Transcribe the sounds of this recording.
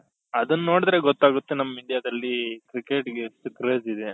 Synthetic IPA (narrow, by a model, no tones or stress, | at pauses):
ɐd̪ɐnːo̞ːɽd̪ɾe̞ɡɔt̪ːaːɡut̪ːenɐmːɐiɳɖijaːd̪ɐlːikɾikeːʈɡesukɾeːd͡ʒid̪e